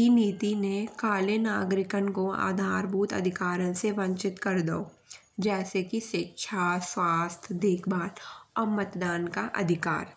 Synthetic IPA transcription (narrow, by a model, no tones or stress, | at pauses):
iniːt̪inekaːlenaːɡɾɪkənkoa̰ːd̪ʱaːɾbʱuːt̪ɐ̰d̪ʱɪkaːɾə̃nseʋə̃ɲt͡ʃɪt̪kəɾd̪o̰ː | d͡ʒɛːsekiʃɪkʃʰaswaːst̪ʰd̪eːkʰbaːɾɔːɾmət̪d̪aːnkaʔɐ̰d̪ʱɪka̰ːɾ